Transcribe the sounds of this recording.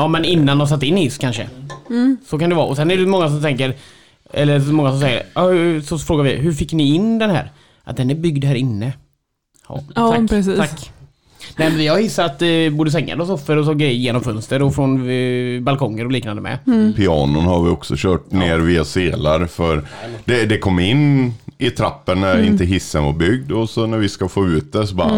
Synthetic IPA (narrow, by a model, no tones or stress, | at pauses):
jɑːmɛnɪnːand̪ɔms̬at̪ːɪnːɪskʰanʂə̰ | sɔkand̪ɛvɑ̰ːɔsɛnɛɖɛmɔŋːas̬ɔmt̪ʰɛŋkəɾ | ʔɛ̰lːəmɔŋːas̬ɔms̬ɛjːə̰ɑhʉsɔfɾoːɡaɾvɪɦɵɾfɪkːnɪɪnd̪ɛnhæ̰ːɾ | ʔat̪̚d̪ɛnæbʏɡd̪hæːɾɪnːə | akpɛsiːakː | nɛːmɛnvɪhahɪsːaɾat̪d̪ɪbuːɖəs̬ɛŋːa̰d̪ɔsɔfːəɾɔs̬ɡɾɛjəɾjeːnɔmfœnst̪əɾɔfɾɔnbalkʰɔŋːəɾɔliːknand̪əmʔɛ̰pʰɪɑːnʊnhaɾvɪɔksɔɕœːʈ̚neːɾviːaseːlaɾfœɾd̪ɛd̪ɛkʰɔmːɪnːɪt̪ʰɾapːənnæɾɪnt̪əɦɪsːənvaɾbʏɡ̚d̪ɔsɔnæɾvɪskafoːʉ̟ːt̪̚d̪ɛsɔbɑ